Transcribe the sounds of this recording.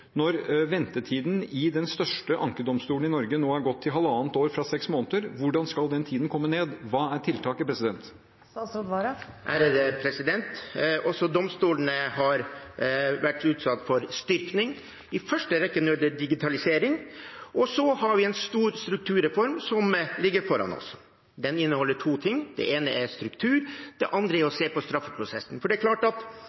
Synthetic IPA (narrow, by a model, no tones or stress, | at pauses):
nɔɾʋɛnt̪əʈʰiːd̪n̩ɪd̪ɛnst̪œʂʈəʔɑŋkəd̪ɔmst̪uːln̩ɪnɔɾɡənoːæɾɡɔt̪ʰːɪlɦɑlːəɑːnt̪oːɾfɾɑsɛksmoːnət̪əɾʋʊɖɑnskɑld̪ɛnt̪ʰiːd̪n̩kʰɔmːəneːd̪ʋɑːæʈʰɪlt̪ʰɑːkəpʰɾɛsɪd̪ɛnt̪ | ʔæɾd̪ɛpʰɾɛsɪd̪ɛnt̪ʔɔsɔd̪ɔmst̪uːlənəhɑɾ | ʋæʈːʉːt̪sɑt̪ːfɔɾst̪ʏɾknɪŋ | ɪfœʂʈəɾɛkːənød̪əɖɪɡɪt̪ʰɑlɪseːɾɪŋʔɔsɔhɑɾʋɪɛnst̪uːɾst̪ɾʉk̚t̪ʰʉːɾɛfɔɾmsɔmlɪɡːəɾfɔɾɑ̰nɔ̰s | d̪ɛnɪnːəhɔlːəʈʰuːt̪ʰɪŋːd̪̥ɛ̰ʔeːnəɛɾst̪ɾʉkt̪ʰʉːɾd̪ɛʔɑnd̪ɾəɛɾɔseːpɔst̪ɾɑfːəpʰɾʊsɛsn̩fɔɖɛæɾkʰlɑːʈɑt̪